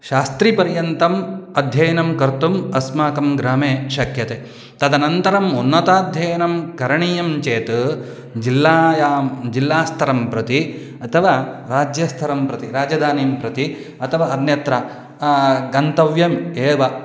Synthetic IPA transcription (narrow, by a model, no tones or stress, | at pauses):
ʃaːst̪ɾipɐɾjɐnt̪ɐmɐd̪ʱjɐjɐnɐmkɐɾt̪umɐsmaːkɐmɡɾaːmeːʃɐkjɐt̪e | t̪ɐd̪ɐnɐnt̪ɐɾɐmunːɐt̪aːd̪ʱjɐjɐnɐmkɐɾɐɳijɐmt͡ʃeːt̪ | d͡ʒilːaːjaːd͡ʒilːaːst̪ʰɐɾɐmpɾɐt̪i | ɐt̪ʰɐʋaːɾaːd͡ʒjɐst̪ʰɐɾɐmpɾɐt̪iɾaːd͡ʒɐd̪ʱaːniːmpɾɐt̪i | ɐt̪ʰɐʋaːɐɾnjɐt̪ɾɐ | ɡɐnt̪ɐʋjɐmeːʋɐ